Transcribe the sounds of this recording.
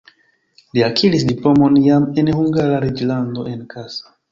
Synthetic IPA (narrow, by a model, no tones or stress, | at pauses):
liakʰiɾisdiplo̞mo̞njame̞nhuŋɡaɾaɾid͡ʒlando̞e̞nkʰasḁ